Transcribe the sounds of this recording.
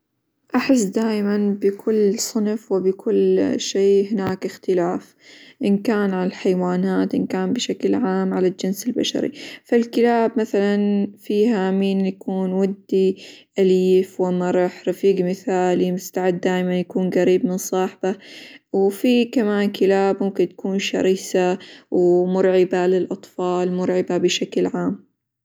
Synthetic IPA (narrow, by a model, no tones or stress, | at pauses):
ʔaħɪs̬ːd̪aːjmanbɪkʰʊlːsˤʊnfwɪbɪkʰʊlːʃeːɦɪnaːkɪxt̪ɪlaːf | ʔɪnkaːnʕalalħajwaːnaːt̪ʔɪnkaːmbɪʃaklʕaːmʕalald͡ʒɪnsɪlba̰ʃa̰ɾḭfalkɪlaːbmaθalanfiːhamiːnjakuːnwad̪ːiʔaliːfwamːɑɾˤɑħɾˤɑfiːɡmɪθaːlimʊst̪aʕɪd̪ːaːjmanjakuːnɣaɾiːbmɪnsˤɑːħbawfikamaːnkɪlaːbmʊmkɪnt̪ḁkuːnʃɑ̰ɾiːsawmʊɾʕɪbalɪlʔɑt̪ˤfɑːlmʊɾˤʕɪbabɪʃaklʕaːm